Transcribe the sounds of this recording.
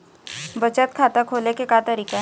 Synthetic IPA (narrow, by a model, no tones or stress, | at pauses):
bət͡ʃət̪kʰaːt̪akʰoːlekekat̪ɐɾiːka